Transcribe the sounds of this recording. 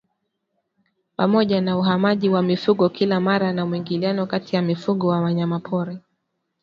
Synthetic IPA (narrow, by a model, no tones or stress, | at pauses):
pamɔʄanauɦamaʄiwamifuɠɔkilamaɾanamuiŋɡilianɔkatijamifuɠɔwawaɲamapʰɔɾɛ